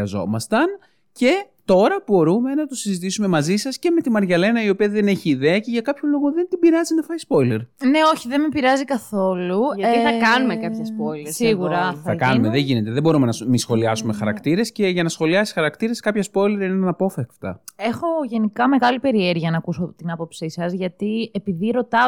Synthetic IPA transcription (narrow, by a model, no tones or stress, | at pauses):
ɐzo̞̰mɐst̪ɐn | ce̞t̪o̞ɾɐbo̞ɾume̞nɐt̪o̞sizit̪isume̞mɐzisɐsce̞me̞t̪imɐɾʝɐle̞nɐio̞piɐðe̞ne̞çiːðe̞ɐce̞ʝɐkɐpçolo̞ɣoðe̞nt̪ibiɾɐzinɐfɐispo̞jle̞ɾne̞o̞çiðenmipiɾɐzikɐθo̞luɐt̪iθɐkɐnumekɐpçɐspojlesiɣuɾɐɐkɐnumeðeʝine̞t̪e̞ðebo̞ɾumenɐmisxo̞liɐsume̞xɐɾɐkt̪iɾe̞sce̞ʝɐnɐsxo̞liɐsi̥xɐɾɐkt̪iɾe̞skɐpçɐspo̞jle̞ɾineɐnɐpo̞fekft̪ɐ̰e̞xo̞ʝe̞nikɐme̞ɣɐlipe̞ɾieɾʝiɐnɐkuso̞t̪inɐpo̞psisɐzʝɐt̪iepiðiɾo̞t̪ɐ